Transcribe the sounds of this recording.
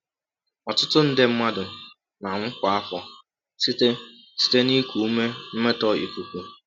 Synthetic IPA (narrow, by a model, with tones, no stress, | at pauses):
ɔ˨tʊ˦tʊ˦n̩˦dɪ˦m̩˦ma˦dʊ˨ | na˨ŋ̩˦kʷa˨a˦kʷɔ˨ | si˦te˦ | si̥˦te˦ni˦kʷu˨u˦me˦m̩˦me˦tɔ˦ḭ˨kʷu˨kʷu˨